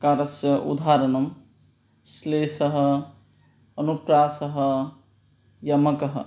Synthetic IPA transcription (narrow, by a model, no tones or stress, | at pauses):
kaɾɐsjɐʔṵd̪ʱaɾɐnɐm | slesɐɦə | ənupɾasəɦə | jɐmɐkəɦ